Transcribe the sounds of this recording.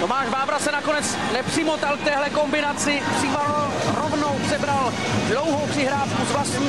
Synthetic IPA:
t̪o̞maːʃvaːvɾasɛnako̞nɛt͡s | nɛpr̥ɪmot̪alk̚t̪ɛːɦlɛko̞mbɪnat͡sɪpr̥ɪval | ɾovnowpr̥ɛbɾal | dlo̞wɦowpr̥ɪɦɾaːfkuzvlast̪ɲiː

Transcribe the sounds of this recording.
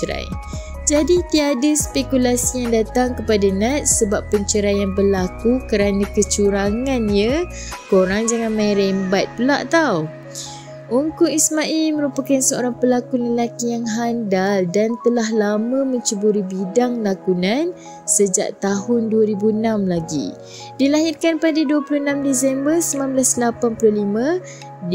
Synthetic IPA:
ɾa̰j | d͡ʒadit̪iadəspekulasijaŋdat̪aŋkəpadanat̪̚səbapːəɲt͡ʃəɾajanbərlakukəɾanãkət͡ʃuɾaŋanɲə | koɾaŋd͡ʒaŋanmaiɾɛmbat̪̚pəla̰ʔt̪aw | uŋkuismaʔilməɾupakansəo̰ɾaŋpəlakunanlakijaŋɦandaldant̪əlaɦlamə̃mə̃ɲt͡ʃəbuɾibidaŋlakunan | səd͡ʒa̰ʔt̪aɦʊnduəɾibuənamlaɡḭ | dilaɦirkanpadaduəpulunãmdisɛmbərsəmãnbəlaslapanpuluhlimə̃

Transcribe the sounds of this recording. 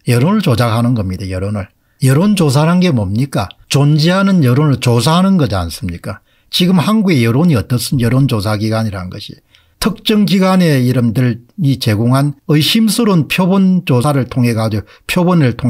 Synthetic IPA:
jʌɾonɯɭt͡ɕod͡ʑakɦanɯnɡʌmɲidajʌɾonɯɭ | jʌɾond͡ʑos̬ʰaɾanɡemʌmɲik͈at͡ɕond͡ʑiɦanɯnjʌɾonɯɭt͡ɕosʰaɦanɯnɡʌd͡ʑia̰ns͈ɯmɲik͈a | t͡ɕiɡɯmhanɡuɡe̞jʌɾoɲiʌt͈ʌs͈ɯnjʌɾond͡ʑosʰaɡiɡaɲiɾanɡʌ̰ɕʰi̥ | tʰɯk̚t͡ɕ͈ʌŋɡiɡane̞iɾɯmdɯɭit͡ɕe̞ɡoŋɦanɯjɕʰimsʰɯɾonpʰjobont͡ɕosʰaɾɯɭtʰoŋɦe̞ɡad͡ʑoɡo | pʰjobonɯɭtʰoŋ

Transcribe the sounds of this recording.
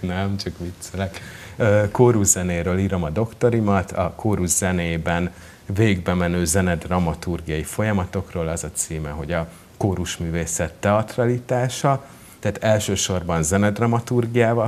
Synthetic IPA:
nɛmt͡ʃɒkmit̪selɛkøkoːɾuʒzɛneːɾøːliːɾo̞mɒd̪o̞kt̪o̞ɾimɒt̪ɒkoːɾuʒzɛneːbɛn | veːɡbɛmɛnøːzɛnɛd̪rɒmɒt̪urɡijɒjifo̞jɒmɒt̪o̞kroːlɒzɒt̪siːmɛɦo̞ɟɒ | koːɾuʃmyːveːsɛt̪ːɛɒt̪rɒlit̪aːʃɒ | t̪ɛaːt̪ɛlʃøːʃo̞rbɒnzɛnɛd̪rɒmɒt̪urɡijaːvɒ

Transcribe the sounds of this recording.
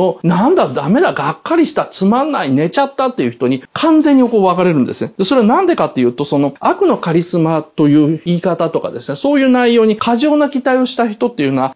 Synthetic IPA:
onãnd̪ad̪ame̞d̪aɡakːaɾʲiɕi̥t̪at͡sɨmanːaine̞t͡ɕat̪ːat̪ːejɯ̟çi̥t̪o̞ɲ̟ikʰãnzẽ̞ɲ̟ːikoːβakaɾe̞ɾɯ̟̃nd̪e̞sɨned̪̥e̞so̞ɾe̞anãnd̪e̞kat̪ːe̞jɯ̟ːt̪o̞so̞no̞akɯ̟no̞kaɾʲisɨmat̪o̞jɯ̟ːiːkat̪at̪o̞ka̰d̪e̞sɨne̞so̞ːjɯ̟ːnaijo̞ːɲ̟ikʰaʑo̞ːnakʲit̪aio̞ɕi̥t̪açi̥t̪o̞t̪ːejɯ̟noa

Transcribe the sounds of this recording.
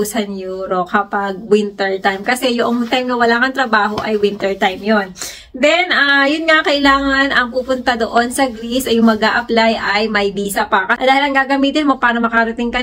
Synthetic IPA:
usɐnjoɾokɐpɐɡ̚wɪnt̪ɛɹt̪ajmkɐsɛjʊʔoŋt̪ajmnɐwɐlaːkɐnt̪ɾɐbaːɦo̞ʔɐjwɪnt̪ɛɹt̪ajmjo̞n | d̪ɛnʔajʊnŋakɐʔɪlaːŋɐnɐŋpuːpʊnt̪ɐd̪o̞ʔo̞nsɐɡɾisʔɐjʊŋmɐɡaːʔɐplajʔɐjmɐjbiːsɐpɐkɐd̪aːhɪlɐŋɡaːɡɐmiːt̪ɪnmo̞paːɾɐmɐkɐɾɐt̪ɪŋkɐ

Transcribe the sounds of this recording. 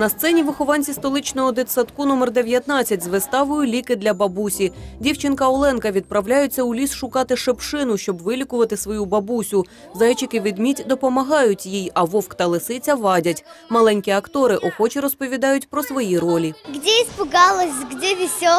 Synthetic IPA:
nɐst̪sɛnʲiʋɪxɔʋɑnʲt͡sʲist̪ɔlˠɪt͡ʃnɔɦɔd̪et̪sɐt̪kunɔmɛrd̪eʋʲjɐt̪nɑt͡sʲːɐtʲzʋɪst̪ɑʋʊjʊlʲikɪd̪lʲɐbɐbusʲidʲiwt͡ʃɪnkɐɔlˠɛnkɐʋʲid̪̚pɾɐʋlʲajʊt͡sʲːɐʊlʲisʃʊkɑt̪ɪʃepʃɪnʊʃt͡ʃɔbʋɪlʲikʊʋɐt̪ɪsʋɔjubɐbusʲʊ | zɑjt͡ʃɪkɪʋʲid̪mʲitʲd̪ɔpɔmɐɦɑjʊtʲjijɐʋɔwkt̪ɐlˠɪsɪt͡sʲɐʋɑdʲɐtʲmɐlˠɛnʲkʲiɐkt̪ɔɾɪʔɔxɔt͡ʃiɾɔspɔʋʲid̪ɑjʊtʲpɾɔsʋɔjiɾɔlʲiɡdʲiispʊɡɑlˠɔsʲɡdʲɛʋʲisʲɔ

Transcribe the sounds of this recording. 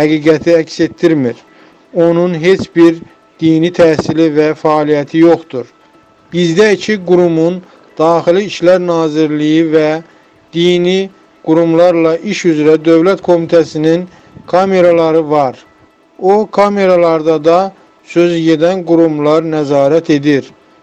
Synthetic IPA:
hæɡiːɡæt̪ʰiæcse̞t̪ːiɾmiɾ | o̞nunɦe̞t͡ʃʰbiɾ | d̪̥iːnit̪ʰæːsilivæfæːlijæt̪ʰijo̞χt̪uɾ | b̥izd̪æicʰiɡuɾumun | d̪̥ɑːxiliːʃlæɾnɑːziɾlijivæ | d̪̥iːni | ɡ̥uɾumlˠɑɾlˠɑʔiʃyzɾæd̪ø̞vlæt̪kʰo̞mit̪ʰæsinin | kʰɑme̞ɾɑlˠɑɾɯvɑɾ | okʰɑme̞ɾɑlˠɑɾd̪ɑd̪ɑ | sø̞zje̞d̪ænɡuɾumlˠɑɾnæzɑːɾæt̪ʰe̞d̪iɾ

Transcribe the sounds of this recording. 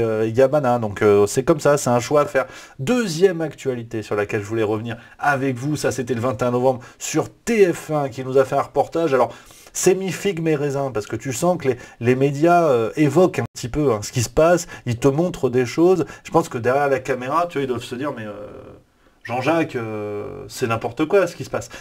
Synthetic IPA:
øjamanad̪ɔ̃køsɛkɔmsasɛt̪ɛ̃ʃwafɛʁd̪øzjɛmakt̪ɥalit̪esyʁlakʲɛlʒəvulɛʁəvəniʁ | avɛkvusaset̪ɛləvɛ̃t̪eɛ̃nɔvɑ̃bʁsyʁt̪eɛfɛ̃kʲinuzafɛɛ̃ʁəpɔʁt̪aʒalɔʁ | sɛmifiɡmeʁezɛ̃paʁsə̥kət̪ysɑ̃kəlelemed̪jaøevɔkɛ̃pət̪ipøɛ̃sə̥kʲisə̥pasilt̪əmɔ̃t̪χəd̪eʃozʒəpɑ̃skəd̪ɛʁjɛʁlakameʁat̪yvaild̪wavsəd̪iʁmɛø̰ | ʒɑ̃ʒakøsɛnɛ̃pɔʁt̪əkwasə̥kʲisə̥pas

